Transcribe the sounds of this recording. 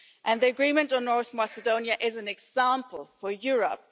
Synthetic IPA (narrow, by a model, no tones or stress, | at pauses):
ʔɨ̃nðiəɡɹĩmə̃ntn̩nːɔɹθmæsədõʊ̃njəʔɪzɨ̃nɛɡzãmpʰəlˠfəjʊɹə̰p̚